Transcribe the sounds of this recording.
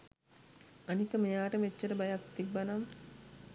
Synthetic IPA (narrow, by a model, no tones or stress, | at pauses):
anikəmejaːʈəmet͡ʃːəɾəbajak̚t̪ibːanaŋ